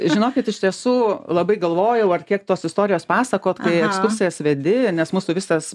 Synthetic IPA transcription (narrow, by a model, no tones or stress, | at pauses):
ʒʲɪnoːkʲɪt̪ɪʃʲt̪ʲiɛsuːlˠɐbɐɪɡɐlˠʋoːjɛʊɐrkʲiɛkt̪oːsɪst̪oːɾʲɪjoːspɑːsɐkoːt̪kɐɪɛkskʊrʲsʲɪjɛsʋʲɛd̪ʲɪnʲɛsmuːsʊʋʲɪskɐs